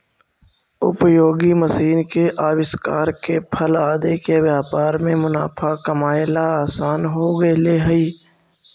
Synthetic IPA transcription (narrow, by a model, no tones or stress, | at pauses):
ʊ̰pjoːɡiməsiːnkeʔaːʋɪskaːɾkepʰəlaːd̪ekeʋjaːpaːɾmẽmʊnaːpʰakəmaːjɪlaaːsaːnɦoɡəeleːɦəiː